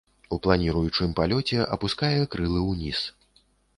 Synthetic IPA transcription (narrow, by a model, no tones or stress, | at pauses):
uplˠanʲiɾujut͡ʂɨmpalʲɔt͡sʲɛʔɐpuskajɛkɾɨlˠɨwnʲis